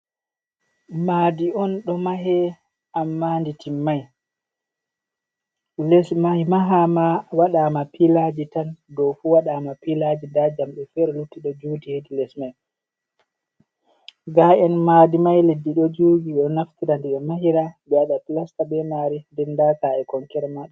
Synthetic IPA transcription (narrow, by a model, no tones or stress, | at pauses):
madiɔnɗɔmaɦɛ | amːanditimːaj | lɛsmajmaɦamawaɗamapilad͡ʒitandɔfuwaɗamapilad͡ʒindad͡ʒamɓɛfɛɾɛlutːiɗɔd͡ʒuːdihedilɛsmaj | ɡaɛnmadimajledːiɗɔd͡ʒuːɡiɗɛɔnaftiɾandɛɓɛmaɦiɾabɛaɗatlastabɛmaɾindɛndakaɛkɔŋkɛɾɛmaɗɛ